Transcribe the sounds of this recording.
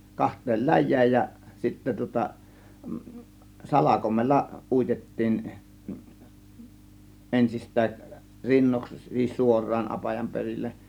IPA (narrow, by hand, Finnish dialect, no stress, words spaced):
kɑhtˑeːl læjˑæːj jæ sitːæ tŭŏtɑ sɑlɑkomelːɑ uitetːiːn ʔensistˑæːʔ rinːoks sis suorˑɑːn ɑpɑjɑm perilːeʔ